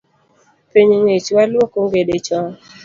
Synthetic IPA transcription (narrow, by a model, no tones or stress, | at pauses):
piɲŋet͡ʃwalwokoŋɡedet͡ʃɔ